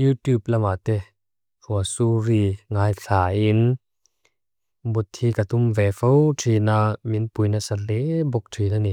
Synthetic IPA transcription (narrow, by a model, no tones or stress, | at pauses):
jut̪up̚lamat̪e | fʰuəsuɾiŋaːjɬʰaːʔin | but̪ʰːikat̪umvɛfowtʰinaminpujnasalebɔk̚tʰinani